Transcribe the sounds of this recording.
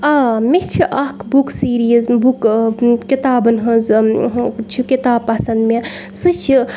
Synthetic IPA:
aːmit͡ʃʰiʔɐkbuksiːɾizbukkit̪aːbɐnɦɐ̃z | t͡ʃʰikit̪aːb̚pɐsɐnd̪mesɨt͡ʃʰi

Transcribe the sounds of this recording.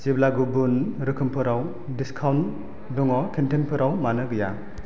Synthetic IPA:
ziblaɡubunɾɯkʰɯmpʰɯɾaw | diskʰawn | dɔŋɔkʰentenpʰɯɾʔawmanɯɡɯja

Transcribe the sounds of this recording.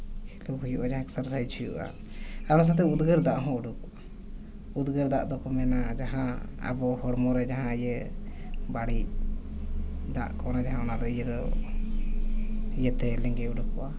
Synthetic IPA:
hʰiluhujuʔad͡ʒaɦãksəɾsait͡ʃʰujṵʔa̰ | aɾɔnas̬at̪̬ɛud̪ɡəɾd̪aʔɦɔ̃uɖukɔa | ud̪ɡəɾd̪aʔd̪ɔkɔmɛnad͡ʒaɦãə̰bɔhɔɽmɔɾɛd͡ʒaɦãjə | baɽic̚ | d̪a̰ʔkɔnad͡ʒaɦãɔnad̪ɔijəd̪ɔ | ijət̪ɛlɛŋɡɛuɖukɔʔa

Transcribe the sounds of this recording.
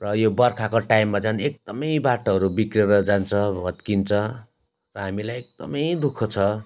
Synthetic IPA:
rʌjobʌrkʰakoʈajmːad͡zanek̚d̪ʌmʌjbaʈʌɦʌɾubikreɾʌd͡zant͡sʰʌbʱʌt̪kint͡sʰʌ | rʌɦamilajek̚d̪ʌ̰mʌjd̪ukʰʌt͡sʰʌ

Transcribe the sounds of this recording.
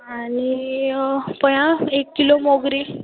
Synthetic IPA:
ani | pəjãekːilomoɡɾi

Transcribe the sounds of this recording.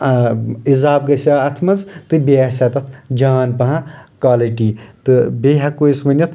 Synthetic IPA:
izaːbɡɐsaːɐt̪ʰmɐzt̪ɨbeasat̪ɐt̪ʰd͡ʒaːnpɐɦɐ̃kaːliʈiːt̪ɨbeːɦɐkojsmɐnʲɐt̪ʰ

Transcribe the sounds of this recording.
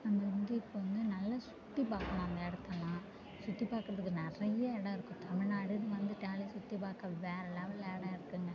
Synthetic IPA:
ɐnd̪ɐɾɯnd̪ɯɪpːoʋɐnd̪ɯnɐlːɐsʊ̥ʈːipaːkɐmãːɐnd̪ɐɛɽɯt̪ːɐlãː | sʊʈːipaːɾkɯɾɐðɯkːɯnɪrɐjɐɛɽɐ̃ɪɾɯkːʊ̃t̪ɐmɪɻnaːɽɯðɯʋɐnd̪ɯʈaːlisʊʈːipaːkːɐʋeːɾɐlaːʋɯlɛːɽɐ̃ɪɾɯkːɯŋɡɐ

